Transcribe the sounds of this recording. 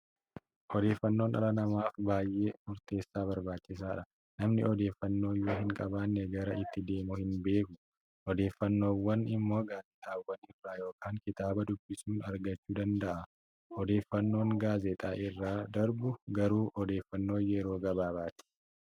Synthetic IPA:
ʔɔd̪e̞ːfːɐnːo̞ːnɐ̰ɾɐnɐmaːfbaːjʔe̞ːmʊɾt̪e̞ːsːaːbɐɾbaːt͡ʃːɪs̬aːᶑɐ | nɐmnɪ̰ɔd̪e̞ːfːɐnːo̞ːjoːɦɪŋkʼɐbaːnːɛɡɐɾɐɪt̪ːɪd̪e̞ːmʊhɪnbe̞ːkʊ | ʔɔd̪e̞ːfːɐnːo̞ːwːɐnɪmːo̞ːɡaːzɛt̪ʼaːwːɐnɪrːaːjo̞ːkaːŋkɪt̪aːbɐd̪ʊbːɪsuːnɐɾɡɐt͡ʃːuːd̪ɐnd̪ɐʔɐ | ɔd̪e̞ːfːɐnːo̞ːŋɡaːzɛt̪ʼaːʔɪrːaːd̪ɐɾbʊɡɐɾuːʔɔd̪e̞ːfːɐnːo̞ːjɛɾo̞ːɡɐbaːβaːt̪ɪ̥

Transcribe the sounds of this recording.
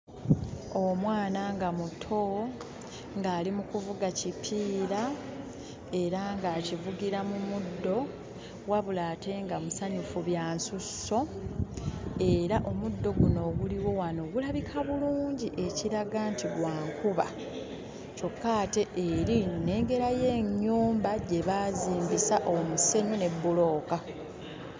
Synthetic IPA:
o̞mwaːnaŋɡamutʰo̞ | ŋɡaːlimukuvuɡacipʰiːɾa | e̞ɾaŋɡaːcivuɡiɾamumudːo̞ | waβulaːte̞ŋɡamusaɲufuβjaːnsusːo̞ | e̞ɾaʔo̞mudːo̞ɡuno̞ɡuliwo̞wano̞ːɡulaβikʰaβuluːɲɟiʔe̞ciɾaɡantiɡwaːŋkuβa | co̞kːaːte̞ʔːɾine̞ːŋɡe̞ɾaje̞ːɲːuːmbaɟe̞βaːziːmbisaʔo̞muse̞ɲune̞bːulo̞ːka

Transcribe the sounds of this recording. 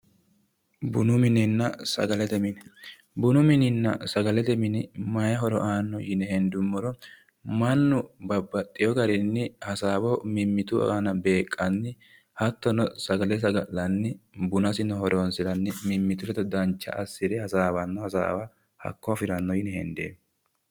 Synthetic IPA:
bʊnʊmɪnɪnːɐsɐ̰ɡɐlɛt̪ɛmɪnɛ | bʊnʊmɪnɪnːɐ̰sɐɡɐlɛt̪ɛmɪnɪmɐjɐɦɔɾɔ̰ʔaːnːɔjɪnɛɦɛnd̪ʊmːɔɾɔ | mɐnːʊbɐbːɐt̪ʼːɪjɔɡɐɾɪnːɪhɐsaːbɔmɪmːɪt̪ʊanɐbe̞ːkʼːɐnːɪ | hɐt̪ːɔnɔsɐɡɐlɛs̬ɐɡɐlːɐnːɪbʊnɐsɪnɔhɔɾonsɪɾɐnːɪmɪmːɪt̪ʊlɛt̪ɔd̪ɐnt͡ʃːɐ̰ʔɐsːɪd̪ɛhɐsaːbɐnːɔhɐsa̰ːwɐ | hɐ̰kːɔfɪɾɐnːɔjɪnɛhɛ̰nd̪ḛː

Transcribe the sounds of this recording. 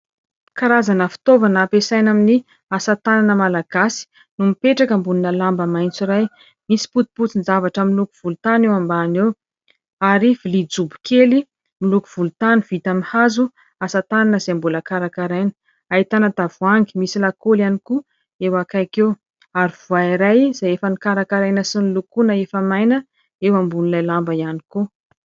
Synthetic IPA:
kaɾazanəfi̥t̪ovanːpesajnamini | asat̪ananəmalaɡ̥asi̥ | numipeʈ͡ʂakəmbuninəlambəmajnt͡siɾaj | misi̥put̪i̥put͡sinzavaʈ͡ʂamilukuv̥ulut̪anewambanew | aɾivilid͡zubi̥keli | milukuv̥ulut̪aniv̥it̪amihazu | asət̪aninəzembulakaɾakaɾajnə̥ | ait̪anat̪avuaŋɡi̥misilakolianiku | ewakajkew | aɾiv̥uaiɾajz̥ajefənikaɾakaɾajnəsinilukunəefəmajnə | ewambunilajlambəijaniko

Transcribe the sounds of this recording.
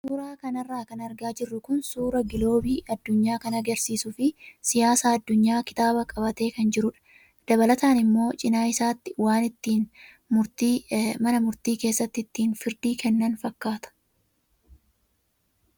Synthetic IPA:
suːɾaːkɐnɐrːaːkɐnɐɾɡaːd͡ʒɪrːʊkʊnsuːɾɐɡɪlo̞ːbiːʔɐd̪ːʊɲːaːkɐnɐɡɐɾsiːsʊfɪsɪjaːsaːɐd̪ːʊɲːaːkɪ̥t̪aːbɐkʼɐβɐt̪e̞ːkɐnd͡ʒɪɾʊᶑɐ̥ | d̪̥ɐβɐlɐt̪aːnɪmːo̞ːt͡ʃʼɪnaːɪsaːt̪ːɪwaːnɪt̪ːiːn | mʊɾt̪iːmɐnɐmʊɾt̪iːke̞ːsːɐt̪ːɪɪt̪ːiːnfɪɾd̪iːkɛnːɐnfɐkːaːt̪ɐ̥

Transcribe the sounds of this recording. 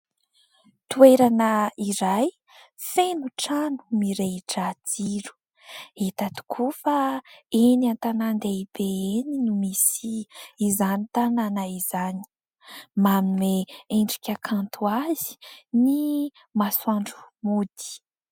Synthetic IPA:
t̪ueɾanəiɾaj | fenuʈ͡ʂanu̥miɾeʈ͡ʂad͡ziɾu̥ | et̪at̪u̥kʰufaeniant̪anand̪eibeeninumisiːzanit̪ananaizani̥ | mamineeɳɖ͡ʐikʲakʰant̪ʰuazi̥ni | maswaɳɖ͡ʐumud̪i̥

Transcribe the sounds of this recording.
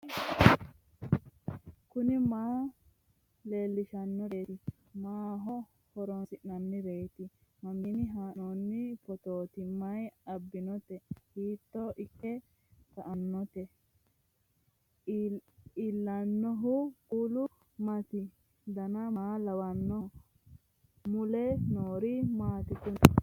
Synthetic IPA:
kʊnɪmaː | le̞ːlːɪʃɐnːɔɾeːt̪ɪ | maːɦɔ | hɔɾɔnsɪʔnɐnːɪɾeːt̪ɪ | mɐminɪɦaːnonːɪpɔt̪oːt̪ɪmːɐjɐbːɪnɔt̪ɛhiːt̪ːɔʔɪkːɛ | kɐʔɐnːɔt̪ɛ | ɪlːɐnːɔɦʊkuːlʊ | mɐt̪ɪ | d̪ɐnɐmaːlɐwɐnːɔ | mʊlɛnoːɾɪmaːt̪ɪt̪ʊ

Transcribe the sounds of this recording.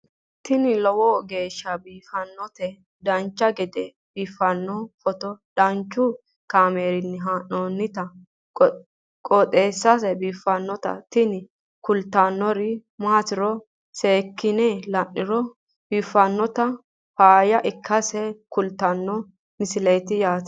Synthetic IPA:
t̪ɪnɪlɔwɔɡe̞ːʃːɐbiːfɐnːɔt̪ɛ | d̪ɐnt͡ʃːɐɡɛd̪ɛ | biːfːɐnːɔfɔt̪ɔd̪̥ɐnt͡ʃːʊ | kaːmeːɾɪnːɪɦanoːnːɪt̪ɐ | kʼɔt̪ʼeːsːɐsɛbiːfːɐnːɔt̪ɐ̰t̪ɪnɪ | kʊlt̪ːanːɔɾɪmat̪ɪɾɔ | seːkːɪnɛlɐnːɪɾɔ | b̥iːfːɐnːɔt̪ɐ | faːjɐʔɪkʰːɐsɛkʊlt̪ːɐnːɔ | mɪsɪlejt̪ɪjaːt̪

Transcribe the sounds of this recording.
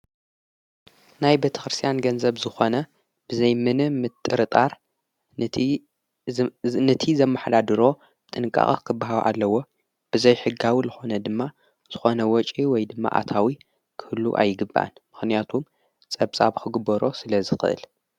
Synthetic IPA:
najbet̪ʰɐ̥xɾɨst̪ʰijanɡɐnzɐβzɨxo̞nɐ | b̥ɨzɐjmɨnɨmɨt̪ʼːɨɾɨt̪ʼaɾ | nɨt̪ʰizɐmːaħd̪ad̪ɨɾo̞ | bɨt̪ʼɨnɨkʼːa̰χʼkʰɨbːaɦawʔa̰lːɐwo̞ | b̥ɨzɐjħɨɡawizɨxo̞nɐd̪ɨmːa | z̥ɨxo̞nɐwɔt͡ʃʼiwɔjd̪ɨmːa̰ʔa̰t̪ʰawi | kʰɨhɨlːṵʔa̰jɨɡɨbːʔa̰nmɨxnijat̪ʰum | t͡sʼɐβt͡sʼaβkʰɨɡɨbɐɾo̞sɨlɐzɨxɨ̰ʔɨ̰l

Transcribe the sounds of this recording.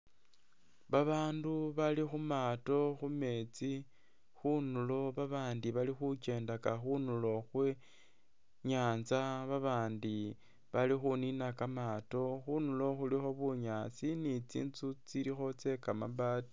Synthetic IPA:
βaβaːnduβalixumaːto̞xume̞ːt͡si | xunulo̞βaβaːndiβalixut͡ʃe̞ːndakaxunulo̞xwe | ɲaːnzaβaβaːndi | βalixuninakamaːto̞xunulo̞xulixo̞βuɲaːt͡sinit͡sḭːnt͡sut͡silixo̞t͡se̞kama̰βaːti̥

